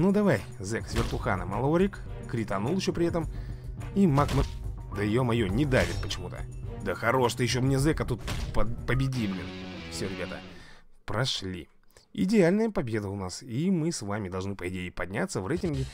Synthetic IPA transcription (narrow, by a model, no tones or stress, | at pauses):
nud̪ɐvaj | zɛksʲvʲɪrt̪ʊxanəmɐlˠoɾʲɪkkɾʲɪt̪ɐnulˠjɪɕːopɾʲɪɛt̪əm | imakm | d̪əɪjomɐjonʲɪd̪avʲɪt̪̚pət͡ɕɪmut̪ə̰d̪əxɐɾo̞ʂt̪əjɪɕ̬ːomnʲezɛkɐt̪ut̪̚ppəbʲɪdʲiblʲɪnfsʲoɾʲɪbʲat̪ə̰pɾɐʂlʲḭ | ɪ̰dʲɪalʲnəjəpɐbʲe̞d̪əʊnasimɨsvamʲɪd̪ɐlˠʐnɨpəɪdʲeɪpɐdʲnʲat̪səvrɛjtʲɪnɡʲɪ